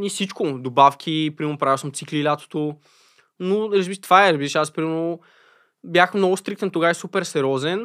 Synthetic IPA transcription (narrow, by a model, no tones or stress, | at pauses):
nisit͡ʃkʊd̪obafkʰʲipɾimɛnopɾavilˠsəmt̪siklilʲat̪o̥t̪o | noɾɐzbiʃt̪vaɛɾɐzbiɾɛʃaspɾimɛlno | bjaxmnɔɡʊst̪ɾik̚t̪ənt̪oɡaɛsupɛɾsɛɾʲɔzɛn